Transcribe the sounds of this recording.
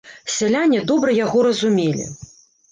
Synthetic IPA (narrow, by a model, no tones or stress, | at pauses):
sʲɛlʲanʲːɛd̪ɔbɾɐjaɣɔɾɐzumʲelʲḭ